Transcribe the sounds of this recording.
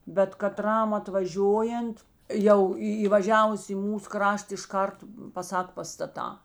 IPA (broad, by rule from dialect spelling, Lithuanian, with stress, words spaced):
bʲɛt kɐˈtrɐm ɐtʋɐˈʒʲoːjɛnt ˈjɛʊ iː iːʋɐˈʒʲæːʋʊs iː ˈmuːs ˈkrɐʃt ɪʃˈkɐrt pɐˈsɐk pɐstɐˈtɑː